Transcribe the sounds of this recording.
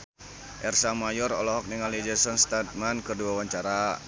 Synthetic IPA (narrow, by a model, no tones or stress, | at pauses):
ʔɛrsamajɔrɔlɔɦɔk̚niŋalid͡ʒəsɔnst̪at̪̚mankərduawaɲt͡ʃaɾa